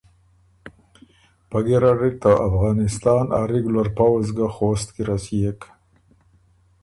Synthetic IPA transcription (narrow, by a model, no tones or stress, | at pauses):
paɡeɾaɾik̚t̪aʔafɣɑːnɪst̪ɑːna̰ɾeɡulaɾpawzɡaxost̪kiɾasijek